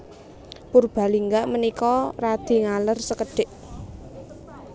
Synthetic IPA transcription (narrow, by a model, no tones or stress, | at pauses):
purb̥a̤liŋɡaʔmənikɔrad̪̥i̤ŋalərsəkəɖ̥ɪʔ